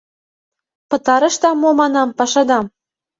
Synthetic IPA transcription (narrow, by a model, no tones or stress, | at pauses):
pɤ̆t̪ɑɾɤ̆ʃt̪ɑmːomɑnɑmpɑʃɑd̪ɑm